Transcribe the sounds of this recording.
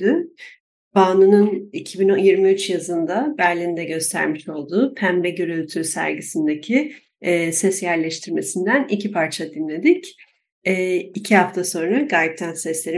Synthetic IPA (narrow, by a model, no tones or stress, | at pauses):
y | b̥aːnɯnɯnicʰibinjiɾmiyt͡ʃjazɯnd̪abæɾlʲind̪ɛɟø̞st̪ʰæ̰ɾmiʃo̞lˠd̪uːpʰænbɛɟøɾylʲt̪ʰysæ̰ɾɟisind̪ecʰiː | sɛsjæɾlʲɛʃt̪ʰiɾme̞sind̪ænicʰipʰaɾt͡ʃʰad̪inlʲe̞d̪ic | ɛːicʰihaft̪ʰaso̞nɾaɡaːjip̚t̪ʰænsɛslʲe̞ɾi